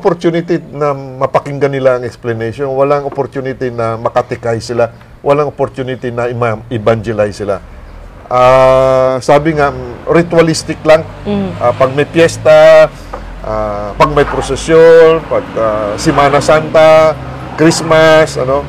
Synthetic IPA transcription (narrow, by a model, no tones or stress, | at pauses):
opoɾt̪junɪt̪inɐmɐpɐkɪŋɡɐnɪlaɐŋɛksplɐnɛjʃonwɐlaŋopoɾt̪unɪt̪inɐmɐkɐt̪ɪkajsɪla | wʔɐlaŋopoɾt̪unɪt̪inɐɪmaʔɪband͡ʒɛlajsɪla | ʔa | saːbɪŋaɾɪt̪wɐlist̪ɪklaŋ | ʔapɐɡ̚mɐjpjɛst̪a | ʔapɐɡ̚mɐjpɾosɛsjonpɐɡ̚asɪmaːnɐsant̪a | kɾismasɐ̰no̞